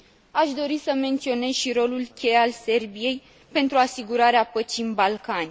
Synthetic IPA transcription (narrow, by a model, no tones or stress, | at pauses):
aʃd̪o̞ɾisəme̞nt̪sio̞ne̞zʃiɾo̞lulkʲe̞jalse̞rbije̞j | pe̞nt̪ɾuasiɡuɾaɾeapət͡ʃinbalkanʲ